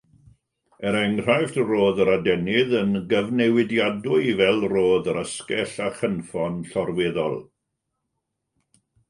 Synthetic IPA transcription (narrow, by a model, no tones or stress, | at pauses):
ɛɾɛŋr̥ajftroːðəɾadɛnɪðənɡəvnɛwɪdjadʊɨvɛlˠroːðəɾəskɛɬaχənfɔnɬɔrweðɔ̰lˠ